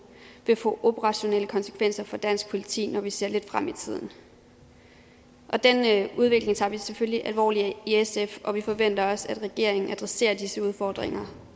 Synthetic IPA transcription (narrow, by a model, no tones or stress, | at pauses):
ʋe̝fɔ̰̽ːʔo̝b̥əʁɑ̈ɕo̝neləkʰɒ̽nsə̥kʰʋen̰sɐfɒ̽d̥æn̰sɡ̥̚pʰo̝lit͡sʰḭːnɒʋise̝ɐ̰le̝d̥fʁam̰it͡sʰið̞̰ˠn̩ | ʔɒ̽d̥enuð̞ˠʋe̝ɡ̥le̝ŋt͡sʰɑ̈ːʋisefølliʔælʋɒ̰ːliiesefɒ̽ʋifɒ̽ʋen̰d̥ɐɒ̽sæd̥ʁɛɡ̥e̝ɐ̰e̝ŋn̩æd̥ʁɛse̝̰ːɐd̥isəuð̞ˠfɒːd̥ʁeŋɐ